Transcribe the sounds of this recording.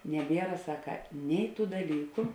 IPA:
nʲɛˈbʲiɛrɐ ˈsɑːkɐ ˈnʲɛɪ ˌtuː dɐˈlʲiːkʊ

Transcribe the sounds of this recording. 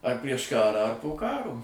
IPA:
ɐr pʲrʲiɛʃ ˈkɑːrɑː ɐr poː ˈkɑːroː

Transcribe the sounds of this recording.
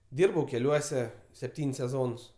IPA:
ˈdʲiːrbɐʊ kʲɛˈlʲuɔsʲɛ sʲɛpʲˈtʲiːnʲsʲ sʲɛˈzoːns

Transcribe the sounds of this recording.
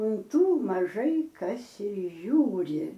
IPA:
ʊn ˈtuː mɐˈʒɐɪ ˈkɐs ɪr ˈʒʲuːrʲɪ

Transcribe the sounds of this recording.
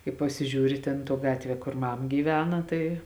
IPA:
kɐɪ pɐsʲɪˈʒʲuːrʲɪ ˈtʲeːn tuɔ ˈɡɑːtʲʋʲiɛ koːr ˈmɐm ɡʲiːˈʋʲæːnɐ tɐɪ

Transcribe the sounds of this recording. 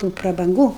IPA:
tuː prɐbɐŋˈɡuː

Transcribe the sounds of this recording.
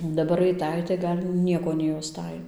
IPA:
dɐˈbɐr ɐɪˈtɐɪ tɐɪ ˈɡɐlʲ ˈnʲiɛkoː nʲɛjɛʊˈstɐɪ

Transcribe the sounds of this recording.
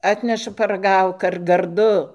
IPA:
ˈɑːtʲnʲɛʃɐ pɐrɐˈɡɐʊk ɐr ɡɐrˈdʊ

